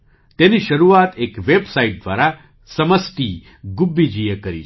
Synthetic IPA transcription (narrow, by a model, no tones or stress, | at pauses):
t̪eniʃəɾuat̪ekʋebsaiʈ̚d̪ʋaɾa | səməst̪i | ɡubːid͡ʒijəkəɾḭ